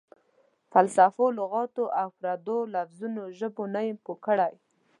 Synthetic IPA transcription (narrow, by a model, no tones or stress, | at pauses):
falsafolʊɣɑt̪oʔawpɾad̪olafzunoʒəbonajɪmpokəɽaj